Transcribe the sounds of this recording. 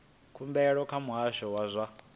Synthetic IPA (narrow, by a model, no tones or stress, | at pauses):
kʰumbɛɺɔkʰamuɦaʃɔwazʷa